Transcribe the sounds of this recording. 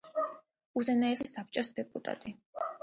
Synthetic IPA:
uzɛnaɛsisap̚t͡ʃʼɔsd̪ɛpʼṵt̪ʼa̰t̪ʼi

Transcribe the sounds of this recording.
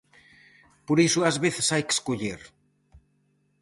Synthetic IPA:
poɾisuazβeθe̥sajke̥skoʎeɾ

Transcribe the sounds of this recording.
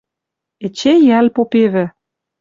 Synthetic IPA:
ĕt͡ɕejælpopeβɘ̆

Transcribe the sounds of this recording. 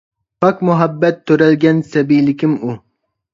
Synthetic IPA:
pʰɑkmuɦɑbːɛt̪ʰːøɾɛlɡʲɛnsɛbijlɪkʲʰimu

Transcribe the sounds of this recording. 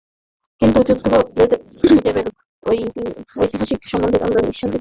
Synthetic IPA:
kint̪ud͡ʑuk̚d̪ʰʱːobʱalet̪e | d͡ʑebeɾ | ojt̪io̰jt̪iɦaʃikʃɔmːond̪ʱik̪a̰mɾaniʃʰand̪i

